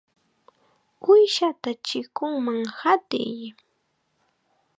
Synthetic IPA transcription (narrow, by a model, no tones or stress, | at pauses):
ʊjʃat̪at͡ʃɪkʊŋmaŋhat̪ɪ̰j